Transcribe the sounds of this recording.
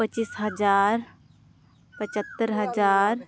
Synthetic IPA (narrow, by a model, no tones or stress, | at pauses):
pət͡ʃisɦɐd͡ʒaːɾ | pət͡ʃət̪ːəɾɦɐd͡ʒaːɾ